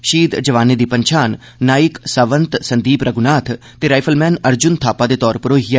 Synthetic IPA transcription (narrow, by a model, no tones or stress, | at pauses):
ʃiːd̪d͡ʒəʋaːned̪iːpəɲt͡ʃʰaːnː | aːɪksəʋə̃nt̪sənd̪iːpɾʔəɡʊnaːt̪ʰ | t̪eɾaːjpʰəlmɛːnɐɾd͡ʒʊnt̪ʰaːpad̪eːt̪ɔːɾpəɾoːɦija